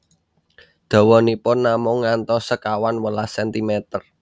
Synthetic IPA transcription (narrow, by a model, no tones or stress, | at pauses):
d̪̥ɔ̤wɔnipʊnːamʊŋːant̪ɔsəkawanwəlasɛnt̪imɛt̪ər